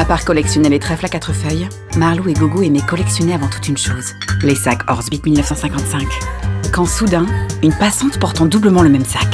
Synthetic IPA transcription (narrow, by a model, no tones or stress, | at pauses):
apaʁkɔlɛksjɔnelet̪χɛflakat̪χəfœj | maʁlueɡoɡoemɛkɔlɛksjɔneavɑ̃t̪u̥t̪ynʃoːz | lesakɔʁzbit̪milnəfsɑ̃sɛ̃kɑ̃t̪sɛ̃kkɑ̃sud̪ɛ̃ynpasɑ̃t̪pɔʁt̪ɑ̃d̪ubləmɑ̃ləmɛmsak